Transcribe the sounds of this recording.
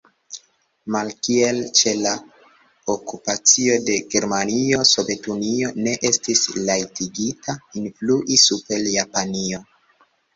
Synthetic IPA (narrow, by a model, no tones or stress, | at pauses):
malkie̞lt͡ʃe̞la | okupat͡sio̞de̞ɡe̞ɾmanio̞so̞ve̞tunio̞ne̞ʔe̞stislajtiɡitʰainfluʔisupe̞ljapanio